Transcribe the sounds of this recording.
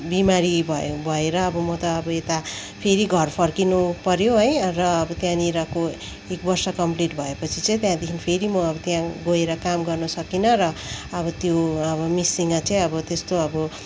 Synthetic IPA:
bimaɾibʱʌbʱʌeɾʌːbʌmʌt̪ʌːbʌet̪a | pʰeɾiɡʱʌrpʰʌrkinupʌɾjoɦʌjrʌʌbʌt̪jãniɾako | ek̚bʌrsʌkʌmpliʈbʱʌepʌt͡sʰit͡saj̃t̪jãd̪ekʰinpʰeɾimʌʌbʌt̪jãɡoeɾʌkamɡʌrnʌsʌkinʌrʌːbʌt̪joʌbʌmisiŋːat͡saĩʌbʌt̪est̪oʌbʌ

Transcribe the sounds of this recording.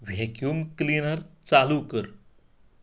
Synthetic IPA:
ʋʱekjuːmklinəɾt͡salukəɾ

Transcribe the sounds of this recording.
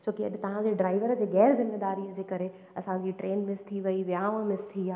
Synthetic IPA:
t͡ɕʰoːkiɐɗɪt̪ɐʋ̤ãd͡ʑeːɖɾaːɪʋəɾəd͡ʑeːɣɛːɾzɪmːeːd̪aːɾijəd͡ʑeːkɐɾe | ɐsãd͡ʑiʈɾeːnmɪst̪ʰiʋɐiʋjaːʋəmɪst̪ʰiaː

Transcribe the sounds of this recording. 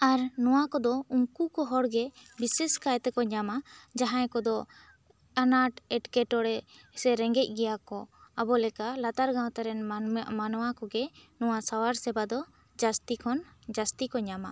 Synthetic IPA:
aɾnɔwakɔd̪ɔuŋkukɔɦɔɽɡɛbisɛskajt̪ɛkɔɲamad͡ʒaɦãjkɔd̪ɔ | anaʈɛʈkɛʈɔɽɛ | sɛɾɛŋɡɛc̚ˀɡɛjakɔabɔlɛkalat̪aɾɡãw̃t̪aɾɛnmanɔwakɔɡɛnɔwasawaɾsɛbad̪ɔ | d͡ʒast̪ikʰɔnd͡ʒast̪ikɔɲama

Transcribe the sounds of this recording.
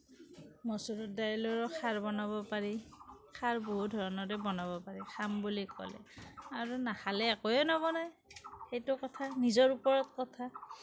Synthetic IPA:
mɔsuɹut̚dajlɔɹɔkʰaɹbɔnabɔpaɹikʰaɹboɦut̚dʱɔɹɔnɔɹɛbɔnabɔpaɹixʰambulikɔ̰lɛ̰aɹunahalɛakojɛnɔbɔnaj | xejtʊkɔtʰanizɔɹupɔɹɔtkɔtʰa

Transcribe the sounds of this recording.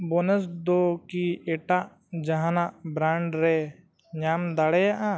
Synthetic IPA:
bɔnəs̬d̪ɔkiɛʈaʔ | d͡ʒaɦanaʔbɾaɳɖɾɛ | ɲamd̪aɽɛjaʔa

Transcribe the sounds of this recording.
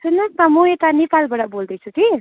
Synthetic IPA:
sunʌkmamuet̪anepalbaɽabold̪ʌjt͡sʰut̪i

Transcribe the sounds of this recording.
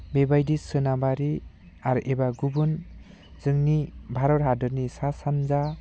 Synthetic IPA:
bebajdisɯnabaɾi | aɾʔebaɡubun | zɯŋnibʱaɾɔɾɦadɯɾnisasanza

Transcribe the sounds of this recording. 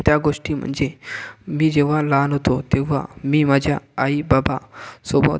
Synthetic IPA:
t̪jaɡoʂʈiːm̤ə̰ɳd͡zemiːd͡ʑeʋ̤alanɦot̪ot̪eʋ̤a̰miːmad͡ʑʱja̰ːibabasobʱa̰

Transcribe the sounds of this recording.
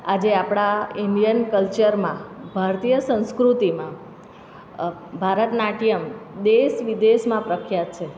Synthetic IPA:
ad͡ʒeapɽ̃aindijənkəlt͡ʃəɾmã̰bʱaɾt̪ijəsə̃w̃skɾut̪imã | bʱaɾət̪naʈijəmd̪eʃʋid̪eʃmãpɾəkʰjat̪̚t͡ʃʰe

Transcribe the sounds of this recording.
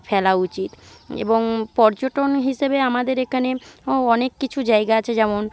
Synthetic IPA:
fɛlaut͡ɕit̪ḛboŋpɔɾd͡ʑoʈonɦiʃebeamad̪eɾekʰaneoɔnekːit͡ɕʰud͡ʑaeɡaat͡ɕʰed͡ʑɛmon

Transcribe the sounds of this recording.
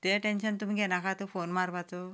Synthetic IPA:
t̪eʈenɕənt̪um̤iɡʱɛnakat̪ofonmaɾʋat͡so

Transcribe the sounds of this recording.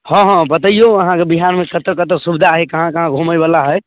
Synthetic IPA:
hɔ̃ɦɔ̃bət̪əijoəɦãkebiɦaɾmekʰət̪ɾkət̪ɾsubid̪ʱaɦekəɦãkəɦãɡʱuməjbalaɦəj

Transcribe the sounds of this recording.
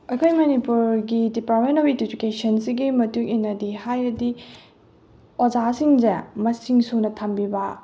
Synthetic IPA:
ɐkʰojmɐnipuɾɡidipaɾmentobitid͡ʒukesɐnsiɡimɐtuŋinːɐdihajɾɐdi | ozasiŋd͡ʒɐmɐsiŋsunɐtʰambibɐ

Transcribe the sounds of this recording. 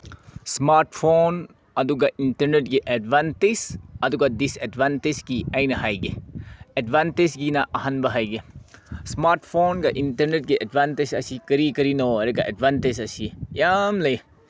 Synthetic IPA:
smaɾʈpʰon | ɐd̪uɡɐʔintɐɾneʈ̚ɡiʔedbantesɐd̪uɡɐdisedbantezɡiɐjnɐɦajɡeedbantesɡinɐʔɐɦɐnbɐɦajɡesmaɾʈpʰonɡɐʔintɐɾneʈ̚ɡiʔedbantezɐsikɐɾikɐɾinoɐɾeɡɐʔedbʱantezɐsijamlɐj

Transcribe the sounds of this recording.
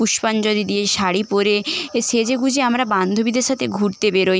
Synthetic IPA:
uʃpand͡ʑod̪id̪ieʃaɽipoɾeeʃed͡ʑeɡud͡ʑʱeamɾaband̪ʱobid̪eɾʃat̪ʰeɡʱuɾt̪ebeɾoj

